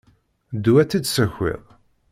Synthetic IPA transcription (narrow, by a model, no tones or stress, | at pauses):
d̪uæt͡sːid̪səçɪ̰ðˤ